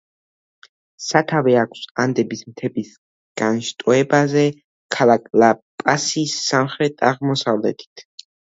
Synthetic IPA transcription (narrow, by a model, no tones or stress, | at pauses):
sat̪ʰavɛakʷʰsand̪ɛbismt̪ʰɛbis | ɡ̥anʃt̪ʼɔɛbazɛ | kʰalakʼlapʼasisːamχɾɛt̪ʼaʁmɔsavlɛ̰t̪ʰi̥t̪ʰ